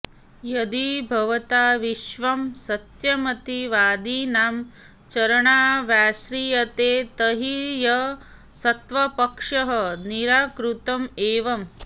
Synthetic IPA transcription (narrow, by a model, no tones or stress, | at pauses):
jɐd̪ibʱɐʋɐt̪aːʋiʃʋɐmsɐt̪jɐmɐt̪iʋaːd̪inaːm | t͡ʃɐɾɐɳaːʋjaːsɾijɐt̪eːt̪ɐɦijɐ | sɐt̪ʋɐpɐkʂɐɦɐniɾaːkɾut̪ɐmeːʋɐm